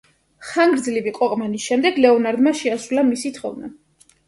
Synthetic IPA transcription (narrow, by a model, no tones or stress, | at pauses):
χaŋɡɾd̪zliviqʼɔqʼmanisʃɛmd̪ɛɡlɛɔnaɾd̪maʃɛasulamisit̪ʰχɔ̰vna̰